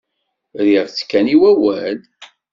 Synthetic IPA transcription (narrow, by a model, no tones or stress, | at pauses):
ðiɾt͡sːkːæniwæwæl